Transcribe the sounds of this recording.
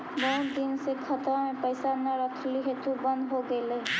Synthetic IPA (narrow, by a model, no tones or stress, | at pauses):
bɔd̪insekʰʌt̪əmẽpəjsanaɾɔkʰliɦet̪ubʌnd̪ɦoɡele